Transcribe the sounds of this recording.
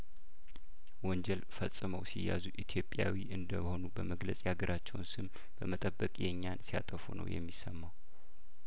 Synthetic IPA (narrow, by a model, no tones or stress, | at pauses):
wɔɲd͡ʒɛlfəsʼɨməwsijːazuʔit̪ʰjo̞pʼjawiʔɨnd̪əho̞nubəməɡləsʼjaɡəɾʔat͡ʃːɛwnsɨm | b̥əmət̪ʼəbːəkʼjɛɲːansija̰t̪ʼəfunə̰wjɛ̰mːisəmːaw